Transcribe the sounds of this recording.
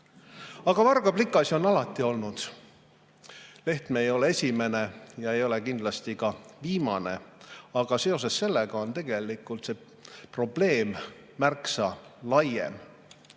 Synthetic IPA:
ɑɡ̥ɑvɑrɡɑblikːˑɑsio̞nɑlɑt̪ˑːio̞lnud̪̥ | le̞ht̪meejo̞le̞e̞sʲime̞ne̞jɑe̞jo̞le̞kind̪lɑst̪ikɑviːmɑne̞̰ɑɡ̥ɑse̞o̞s̬e̞sse̞lːe̞ɡ̥ɑo̞nt̪e̞ɡe̞likˑult̪se̞ | pro̞ble̞ːmː | ærksɑlɑjḛm

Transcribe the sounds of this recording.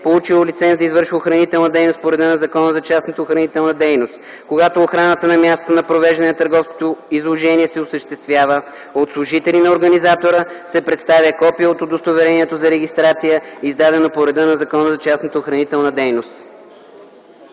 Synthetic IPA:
polˠut͡ʃilˠolit̪sɛnsd̪ɐizvɤɾʃvəoxɾɐnit̪ɛlˠnəd̪ɛjnospoɾɛd̪ənɐzɐkɔnəzɐt͡ʃasnət̪əoxɾɐnit̪ɛlˠnəd̪ɛjnost̪ | koɡat̪oːxɾanət̪ənɐmʲast̪ot̪onɐpɾovɛʒd̪ɐnɛnɐt̪əɾɡɔfski̥t̪oizlˠoʒɛniɛsɛosəʃt̪ɛst̪vʲjavə | ot̪slˠʊʒit̪ɛlinɐoɾɡɐnizat̪oɾəsɛpɾɛt̪st̪avʲjəkɔpiəot̪od̪ost̪ovɛɾɛniɛt̪ozɐɾɛɡʲist̪ɾat̪sijəizd̪ad̪ɛnopoɾɛd̪ənɐzɐkɔnəzɐt͡ʃasnət̪əoxɾɐnit̪ɛlˠnəd̪ɛjnost̪

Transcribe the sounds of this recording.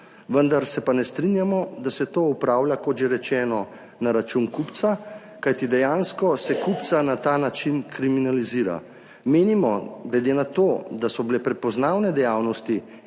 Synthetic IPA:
ʋənd̪aɾsɛpanɛst̪ɾinjamɔd̪asɛt̪oːupɾaːwlʲjakɔt̪ʒeɾɛt͡ʃɛːnɔ | naɾat͡ʃunkupt̪sa | kajt̪id̪ɛjanskɔsɛkupt̪sanat̪aːnat͡ʃinkɾiminaliziːɾa̰ | meːnimɔɡlɛd̪enat̪oːd̪asɔbilɛpɾɛpɔznaːwnɛd̪ɛjaːwnɔst̪i

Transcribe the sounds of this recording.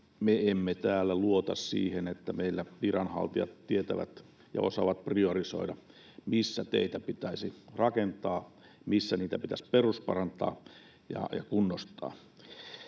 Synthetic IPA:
meemːet̪æːlːæluot̪ɑ̰ssḭːhenet̪ːæmeilːæʋirɑnhɑ̰lt̪iɑ̰t̪t̪iet̪æʋæ̰t̪ | jɑ̰osɑʋɑt̪̚prioriso̰idɑ | misːæt̪ḛit̪æpit̪æisirɑkent̪ɑː | misːæniːt̪æpit̪æsperuspɑ̰rɑnt̪ɑ̰ː | jɑ̰jɑkunːost̪ɑ̰ː

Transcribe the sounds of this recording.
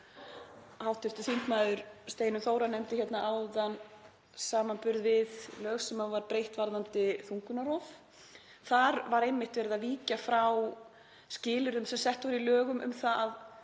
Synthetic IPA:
haːwht̪ɪft̪ʏθimt̪majðʏɾst̪eːjnʏθoːwɾanɛjmt̪ɪçjɛt̪naʔawðan | saːmanpʏɾðvɪðlœːɣsɛmːavaɾpɾejht̪vaɾðant̪ɪθuŋkʏnaɾɔf | θaɾvaɾejmːɪht̪vɛːɾɪðaviːcafɾaw | scɪːlʏɾðʏmsɛmsɛht̪vɔɾilœːɣʏmʔʏ̰mθaað

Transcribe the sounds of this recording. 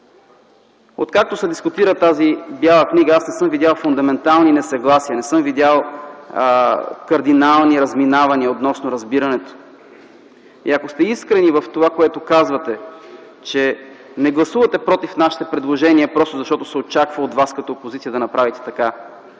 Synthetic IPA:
ot̪kak̚t̪osɛd̪iskʊt̪iɾət̪azibjalˠəkniɡəasnɛsɤmvid̪ʲjalˠfʊnd̪ɐmɛnt̪alˠninɛsɐɡlˠasiənɛsɤmvid̪ʲjalˠ | kɐɾd̪inalˠniɾɐzminavɐniəot̪nɔsnʊɾɐzbiɾɐnɛt̪o̥ | ḭɐkost̪ɛiskɾɛnivɐft̪ovakoɛt̪okazvɐt̪ɛ | t͡ʃɛnɛɡlˠɐsuvɐt̪ɛpɾɔt̪ifnaʃi̥t̪ɛpɾɛd̪lˠoʒɛniəpɾɔst̪ʊzɐʃt̪ɔt̪o̥sɛot͡ʃakvəod̪vaskɐt̪opozit̪sijəd̪ɐnɐpɾavit̪ɛ̥t̪ɐka

